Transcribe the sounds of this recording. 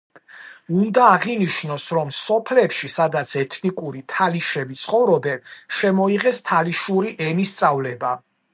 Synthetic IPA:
und̪aːʁiniʃnɔsɾɔmsɔpʰlɛpʃisad̪at̪sʰɛt̪ʰnikʼuɾit̪ʰaliʃɛbit̪sʰχɔvɾɔbɛnʃɛmɔiʁɛst̪ʰaliʃuɾiʔɛnist̪sʼavlɛba

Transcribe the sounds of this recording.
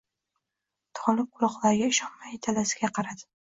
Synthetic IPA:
t̪ʰɒlˠɪp̚qʰʊlˠɒqlˠaɾɡʲaɪʃɒnmajɪt̪ʰalasɪ̥ɡʲaqʰɑɾad̪ɪ

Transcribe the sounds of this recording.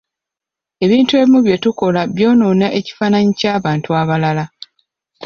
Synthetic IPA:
e̞βiːntue̞βimuβje̞tuko̞laβjo̞ːno̞ːnaʔe̞ci̥faːnaɲicaːβaːntuaβalala

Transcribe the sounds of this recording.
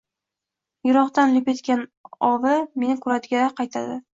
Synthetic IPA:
jʊɾɒχt̪anlɪpet̪kʲanɒvɪme̞nɪkʰʊɾat̪ɡʲaqʰɑjt̪ʰad̪ɪ

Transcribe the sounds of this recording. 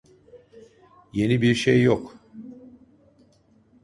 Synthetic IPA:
je̞nibiɾʃejːok

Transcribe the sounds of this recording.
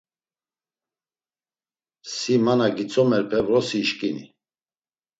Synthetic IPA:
simanaɡit͡sʰʼɔmɛɾpʰɛvɾɔsiʃkʼinḭ

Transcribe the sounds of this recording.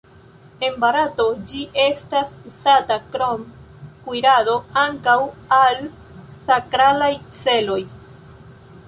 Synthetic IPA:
e̞mbaɾato̞d͡ʒiʔe̞stasusatakɾom | kujɾado̞aŋkawal | sakɾalajt͡se̞lo̞j

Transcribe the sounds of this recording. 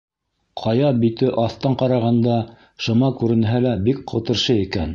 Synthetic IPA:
qʰɑjɑbit̪ɘʔɑθt̪ɑɴqɑɾɑʁɑnd̪ɑ | ʃɤ̆mɑkʉɾɘ̆nɦælæbik̚qŏt̪ɤ̆ɾʃɤikæn

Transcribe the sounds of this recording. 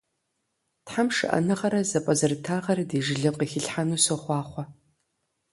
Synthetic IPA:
tħamʂɨ̰ʔɐ̰nɨʁɐɾɐzɐpʷʼɐzɨrtʰaːʁɐrdeːʒɪɮɨqixɪɬħanuːsoχʷɑːχʷɔ

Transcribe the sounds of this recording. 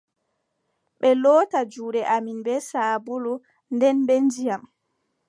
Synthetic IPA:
ɓɛlɔːtad͡ʒuːɾɛʔaminbɛsaːbulu | ndɛnɓɛnd͡ʒijam

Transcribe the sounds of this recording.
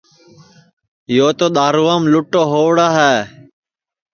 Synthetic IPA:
joːt̪oːɗ̪aːɾuːamlʊʈːoːɦoːʋɽaːɦɛː

